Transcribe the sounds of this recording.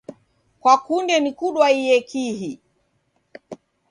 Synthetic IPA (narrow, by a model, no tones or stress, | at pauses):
kwakundɛnikuɗwaijɛkʰihi